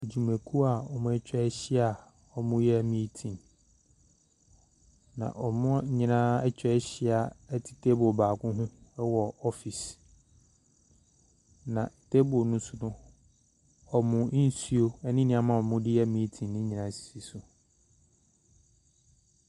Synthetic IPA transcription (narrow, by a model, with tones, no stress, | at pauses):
e˨d͡ʑu˨mæ̃˨kʰu˦a˨ɔ˨mʊ̃˦ɛ˦t͡ɕᶣɛ˦ɛ˦ɕɪ˦a˨ | ɔ˨mʊ̃˦jɛ˦æ˦mĩ˦tʰĩ˨n | nã̰˨ʔɔ˨mʊ̃˦ɲĩ˦nã˦ɛ˦t͡ɕᶣɛ˦ɛ˦ɕɪ˦a˨ɛ˦tʰɪ̥˨tʰe˦bʊ˨baː˨kʊ̃˦ɦʊ̃˦wɔ˨ɔ˦fi˨s | nã˨tʰe˦bʊ˨nʊ̃˦sʊ˦nʊ̃˦ | ɔ˨mʊ̃˨˦n̩˦su˦o˦ɛ˦nɪ̃˦nɪ̃˦a˨mã˨ɔ˨mʊ̃˦dɪ˦jɛ˦˨mĩ˦tʰĩ˨nːɪ̃˦ɲĩ˨nã˦˨si̥˨si˨sʊ˨